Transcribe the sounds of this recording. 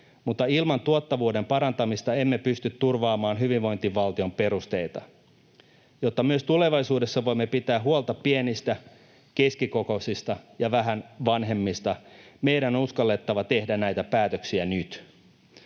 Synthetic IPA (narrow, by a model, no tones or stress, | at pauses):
mut̪ːɑilmɑnt̪uot̪ːɑʋuːde̞mpɑɾɑnt̪ɑmist̪ɑe̞mːe̞pyst̪yt̪ːurʋɑːmɑːnɦyʋiʋʋo̞jnt̪iʋʋɑlt̪io̞mpe̞ɾust̪e̞jt̪ɑ | jo̞t̪ːɑmyøst̪ule̞ʋɑjsuːde̞sːɑʋo̞jmːe̞pit̪æːɦuolt̪ɑppienist̪æ | keskiko̞ko̞sist̪ɑjɑʋæɦænʋɑnɦe̞mːist̪ɑme̞ijɾænouskɑlːe̞t̪ːɑʋɑt̪e̞hdænæjt̪æpæːt̪øksiænyt̪